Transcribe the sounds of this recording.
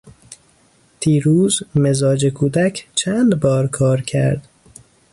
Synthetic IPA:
t̪ʰiːɾuːzmezɒːd͡ʒekʰuːd̪æcʰt͡ʃʰænd̪bɒːɾkʰɒːɾcʰæ̰ɾd̪

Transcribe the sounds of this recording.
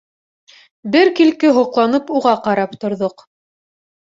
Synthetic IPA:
bɘɾkilkɘɦŏqlˠɑnɤpuʁɑqɑɾɑpt̪ŏɾðoq

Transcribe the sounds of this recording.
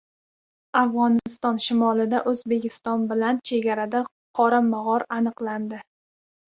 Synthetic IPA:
afʁɒnɪɪst̪ɒnʃɪmɒlˠɪd̪aʔɵzbe̞kʲʰɪst̪ɒnbɪlant͡ʃʰe̞ɡʲaɾad̪a | qʰɒɾamaʁɒɾanɨqlˠand̪ɪ

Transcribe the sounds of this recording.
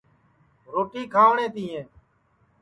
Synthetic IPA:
ɾoːʈiːkʰaːʋɳẽːt̪iːẽː

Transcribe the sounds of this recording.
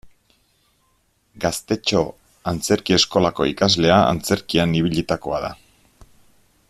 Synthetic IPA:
ɡast̪e̞t͡ʃo̞ | ant͡se̞ɾkie̞sko̞lako̞̰ikazle̞aa̰nt͡se̞ɾkianiβ̞iʎit̪ako̞aða̰

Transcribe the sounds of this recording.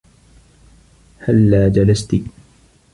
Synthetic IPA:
halːaːd͡ʒalast̪i

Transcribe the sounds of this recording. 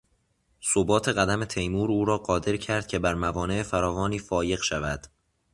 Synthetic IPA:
sobɒːt̪ʰe̞ɣæd̪æme̞t̪ʰe̞jmuːɾuːɾɒːɢɒːd̪e̞ɾcʰæɾd̪̥̚cʰe̞bæɾmævɒːne̞ʔefæɾɒːvɒːniːfɒːje̞ɣʃævæd̪̥

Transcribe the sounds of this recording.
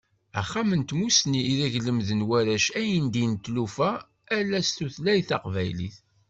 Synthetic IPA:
æ̰χːamənt̪musniːðæʝləmðənwæɾæʃæjənd̪int̪ːlufæ | ælːæst̪uθlæjθɑqvæjlḭθ

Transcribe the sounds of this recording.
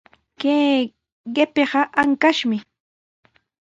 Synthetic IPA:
keː | ɢepeɢɑʔaŋkaʃmɪ

